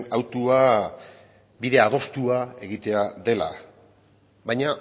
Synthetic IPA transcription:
awt̪ua | biðe̞aðo̞st̪uae̞ɣit̪e̞aðe̞la̰ | βajɲa

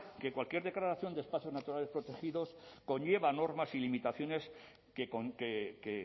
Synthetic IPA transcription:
ke̞kwalkje̞ɾðe̞klaɾaθjo̞nd̪e̞spaθjo̞znat̪uɾalespɾo̞t̪e̞xiðo̞sko̞ɲʝe̞βano̞ɾmasilimit̪aθjo̞ne̞s | kekokeke

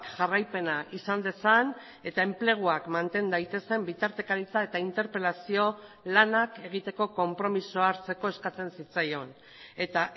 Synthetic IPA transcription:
kʝarajpe̞naʔisand̪e̞san | e̞t̪ae̞mple̞ɣ̞uakmant̪e̞nd̪ajt̪e̞se̞mbit̪aɾt̪e̞kaɾit͡sae̞t̪aint̪e̞ɾpe̞lasio̞ | lanake̞ɣ̞it̪e̞ko̞ko̞mpɾo̞misoaɾt͡se̞ko̞e̞skat͡se̞nsit͡sajo̞n | e̞t̪a

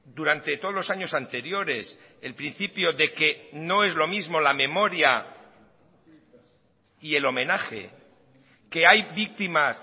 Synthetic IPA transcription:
d̪uɾant̪e̞t̪oðlo̞saɲosant̪e̞ɾjo̞ɾe̞s | elpɾin̟θipjoðe̞keno̞ezlo̞mizmo̞lamẽ̞moɾja | ielo̞mẽnaxḛ | keajβik̚t̪imas

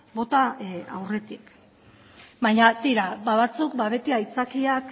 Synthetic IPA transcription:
bo̞t̪aa̰wre̞t̪ik | baɲat̪iɾabaβat͡sukbaβe̞t̪iait͡sakiak

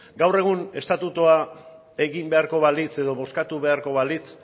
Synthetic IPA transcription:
ɡawre̞ɣ̞une̞st̪at̪ut̪ua | e̞ɣimbe̞aɾko̞βalit͡se̞ðo̞βo̞skat̪uβe̞aɾko̞βalit͡s

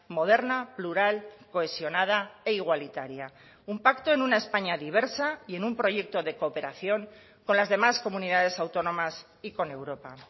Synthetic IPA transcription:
mo̞ð̞e̞ɾnapluɾalko̞e̞sjo̞nað̞ae̞iɣ̞walit̪aɾja | umpakt̪o̞enunae̞spaɲaðiβ̞e̞ɾsaie̞numpɾo̞ʝe̞k̚t̪o̞ðe̞ko̞ːpe̞ɾaθjo̞ŋ | ko̞nlazðe̞masko̞muniðaðe̞sawt̪o̞nõ̞mas | iko̞ne̞wɾo̞pa

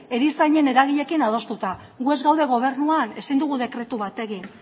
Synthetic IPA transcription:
e̞ɾisaɲe̞ne̞ɾaɣiʎe̞kinað̞o̞st̪ut̪a | ɣue̞zɡawðe̞ɣ̞o̞β̞e̞ɾnuane̞sind̪uɣ̞uðe̞kɾe̞t̪uβat̪e̞ɣin

